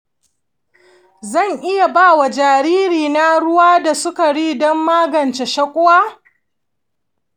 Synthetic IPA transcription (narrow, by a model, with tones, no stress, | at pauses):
zɐ˦˨ŋʔɪ˦ja˨baː˦˨wa˨d͡ʒaː˨ɾiː˦ɾiː˨na˦ɽʊ˦waː˦da˨sʊ˦ka˨ɽiː˦dɔ˦mːaː˦ɡɐ˨nt͡ʃe˨ʃɐ˦kʷʼʊ˦waː˦